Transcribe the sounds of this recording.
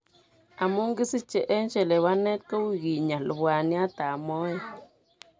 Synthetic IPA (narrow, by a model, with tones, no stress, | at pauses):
a˨mu˦ŋɡi˦si˦t͡ʃe˨ʔe˦nt͡ʃe˨le˨βa˦ne˦t̪̚ko˦wi˦˨ɣi˨ɲa˨lo˨βwa˨ni˦a˦t̪a˨mo˦e˨